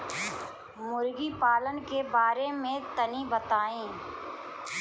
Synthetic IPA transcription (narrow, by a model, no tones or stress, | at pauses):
mʊɾɡipaːlənkebaːɾemẽt̪ənibət̪aːẽː